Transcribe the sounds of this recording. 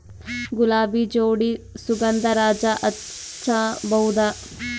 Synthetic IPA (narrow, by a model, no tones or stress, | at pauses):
ɡulaːbid͡ʒoːɽisuɡɐnd̪ɐɾaːd͡ʒaʔɐt͡ʃʰaːbɐwd̪aː